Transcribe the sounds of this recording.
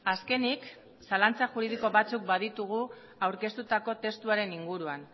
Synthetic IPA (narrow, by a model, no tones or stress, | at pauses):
aske̞nik | salant͡saʝuɾið̞iko̞βat͡suk̚bað̞it̪uɣ̞u | awɾke̞st̪ut̪ako̞t̪e̞st̪uaɾe̞niŋɡuɾuan